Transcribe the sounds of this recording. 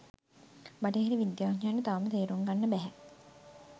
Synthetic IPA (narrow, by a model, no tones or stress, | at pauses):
baʈeɦeɾiʋid̪jaːɲanːət̪aʋmət̪eːɾuŋɡanːəbæɦɛ